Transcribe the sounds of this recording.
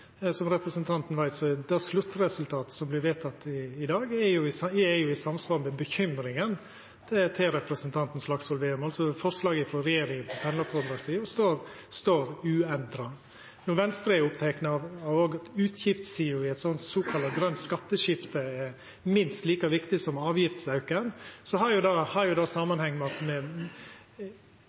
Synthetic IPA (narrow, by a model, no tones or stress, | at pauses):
sɔmɾɛpɾəsənt̪ʰɑnt̪n̩ʋæɪt̪sɔd̪æslʉt̪ːɾɛsʉlt̪ʰɑːt̪ə̥sɔmblɪɾʋeːt̪ʰɑt̪ːɪɪd̪ɑːɡɛjʊɛjʊɪsɑmsʋɑːɾmɛbəçʏmɾɪŋən | t̪ʰɛt̪ʰɛɾɛpɾəsənt̪ʰɑnt̪n̩slɑksʋɔlʋeːʉmɑlsɔfɔɾslɑːɡəfɾɔɾɛjeːɾɪŋənpʰɔpʰɛnlɑfɔɾd̪ɾɑːɡsiːʊst̪oːɾ | st̪oːɾʉːɛnd̪ɾɑ | nʊʋɛnst̪ɾəɛʊpt̪ʰɛknəɑʋɑʋoːɡɑt̪ʉːt̪ʰjɪft̪siːʊɪɛɪt̪sɔnt̪soːkʰɑlɑɡɾœnt̪skɑt̪ːəʃɪft̪əɛɾ | mɪnst̪liːkɑʋɪkt̪ɪsɔmɑːʋjɪft̪sɑʉkənsɔhɑɾjʊd̪ɑhɑɾjʊd̪ɑːsɑmɑnhɛŋːmɛɑt̪mɛ